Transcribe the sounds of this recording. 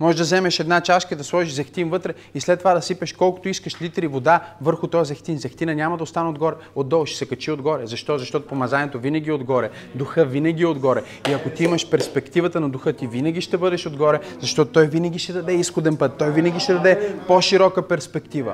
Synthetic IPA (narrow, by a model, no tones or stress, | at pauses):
mɔɛʒd̪ɐzɛmɛʃɛd̪nat͡ʃaʃkəd̪ɐslˠɔʒiʒzɐxt̪invɤt̪ɾɛ | islɛt̪ːovad̪ɐsipɛʃkɔlˠkʊ̥t̪oiskəʃlit̪ɾivod̪avɤɾxʊt̪ɔjzɐxt̪inzɐxt̪inɐnʲamɐd̪ɐost̪anɛod̪ɡɔɾɛ | od̪ːɔlˠʃɛsɛkɐt͡ʃiod̪ɡɔɾɛzɐʃt̪ɔzɐʃt̪ɔt̪ʊpomɐzanʲiɛt̪ovinɐɡʲiod̪ɡɔɾɛ | d̪uxɤvinɐɡ̟ʲiɛod̪ɡɔɾɛ | iɐkot̪iimɐʃpɛɾspɛkt̪ivət̪ənɐd̪ʊxɤt̪ivinɐɡʲiʃt̪ɛbɤd̪ɛʃod̪ɡɔɾɛzɐʃt̪ɔt̪ot̪ːɔjvinɐɡʲiʃt̪ɛd̪ɐd̪ɛisxod̪ɛnpɤt̪ːɔjvinɐɡʲiʃt̪ɛd̪ɐd̪ɛpoʃiɾɔkəpɛɾspɛkt̪ivə̰